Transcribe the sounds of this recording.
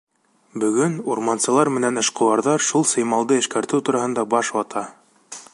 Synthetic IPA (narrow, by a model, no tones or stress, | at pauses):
bɵ̆ɡɵnuɾmɑnsɤ̆lˠɑɾmɘ̆nænɤ̆ʃqŏwɑɾðɑɾʃulˠsɤ̆jmɑlˠd̪ɤɘ̆ʃkæɾt̪ɘwt̪uɾɑhɤ̆nd̪ɑbɑʃwɑt̪ʰɑ